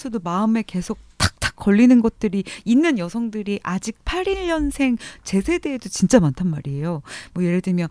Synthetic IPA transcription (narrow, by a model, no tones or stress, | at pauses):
sʰʌdomaɯme̞ke̞sʰok̚t͈ḁk̚t͈ḁk͈ːʌɭːinɯnɡʌt̚t͈ɯɾiinːɯnjʌsʰʌŋdɯɾiʔad͡ʑik̚pʰaɾiʎːʌnsʰe̞ŋt͡ɕe̞sʰe̞de̞ːdot͡ɕint͡ɕ͈amantʰanmaɾie̞jomwʌje̞ɾedɯmjʌn